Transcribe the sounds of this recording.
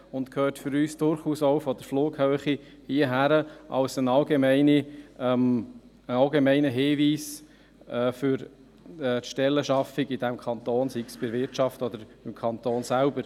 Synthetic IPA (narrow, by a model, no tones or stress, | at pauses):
ʊntkʰøːrtfʏɾyːsd̥ʊɾχuːsoʊfɔd̪əɾfluːɡhœːχi | hiːəɦæɾəʔɑ̰lsənɑlɡemɛɪnim | əɑlɡemɛɪnəɦeːʋiːs | ɛːfʏɾ | ɛtʃtɛlːəʃɑfiɡid̥̪æmkʰɑnt̪oːnsiksb̥ɪɾʋɪɾtt͡ʃɑftɔd̪əɾɪmkʰɑnt̪oːnsælbəɾ